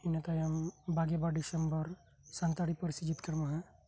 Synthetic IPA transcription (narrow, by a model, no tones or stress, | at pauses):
inet̪ajɐmbʱaɡebaɖisəmbəɾ | sant̪aɽipəɾsid͡ʒit̪kəɾmaɦɛ̃